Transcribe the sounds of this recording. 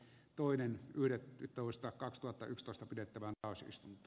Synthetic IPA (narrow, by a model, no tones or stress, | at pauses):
t̪oˑenenyhdet̪ːoˑist̪ɑkɑkst̪uhɑt̪ːɑ̰ykst̪oˑest̪ɑpidet̪ːæʋænt̪ɑˑosḭst̪unt̪ˑɑ